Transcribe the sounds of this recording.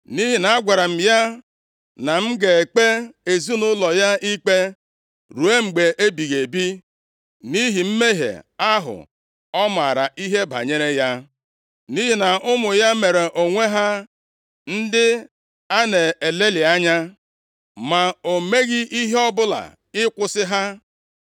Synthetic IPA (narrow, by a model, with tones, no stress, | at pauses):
ni˦ɦi˨na˨a˦ɡʷa˨ɾa˨m̩˨ja˦ | na˨m̩˦ɡe˨e˨k͡pe˦e˨zu˦nʊ˦lɔ˨ja˦i˦k͡pe˦ | ɾu˨e˦ŋ͡m̩˨ɡ͡be˨ʔe˦bi˨ɣe˨bi˦ | ni˦ɦi˨m̩˦me˦ɦḛ˨a˦ɦʊ̰˨ | ɔ˦ma̰˨ɾa̰˨ʔi˦ɦe˦ba̰˨ɲe˦ɾe˦ja˦ | ni˦ɦi˨na˨ʔʊ˦mʊ˨ja˦me˨ɾe˨ʔo˨ŋʷe˦ɦa˦ | n̩˦dɪ˦ | a˦ne˨e˨le˦lɪ˨a˦ɲa˦ | ma˨o˨me˦ɣɪ˦ʔi˦ɦe˦ɔ˦bʊ˦la̰˨ | ɪ˦kʷʊ˦sɪ˦ɦa˦